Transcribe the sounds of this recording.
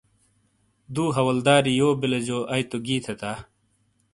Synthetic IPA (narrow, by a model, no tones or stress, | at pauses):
d̪uːɦɐwɐld̪aːɾijoːbiled͡ʑoːʔɐjt̪oɡiːt̪ʰet̪aː